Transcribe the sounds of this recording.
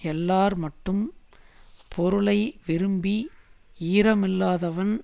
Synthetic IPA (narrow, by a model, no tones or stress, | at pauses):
ɛlːaːɾmɐʈːɯm | pʰɔɾɯɭɐɪʋɪɾɯmbi | iːɾɐmɪlːaːðɐʋɐn